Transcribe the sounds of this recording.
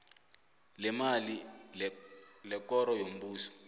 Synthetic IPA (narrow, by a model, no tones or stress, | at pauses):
lɛmali | lɛkɔɾɔjom̩buːsɔ̥